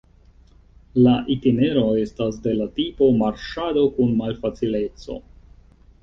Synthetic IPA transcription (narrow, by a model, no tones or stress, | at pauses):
laʔitine̞ɾo̞e̞stas̬de̞latipo̞maɾʃado̞kunmalfat͡sile̞t͡so̞̰